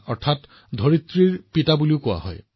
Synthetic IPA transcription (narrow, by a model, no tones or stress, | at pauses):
ɔɹt̪ʰat | d̪ʱoɹit̪ɹiɹpitabuliokoa̰ɦɔ̰j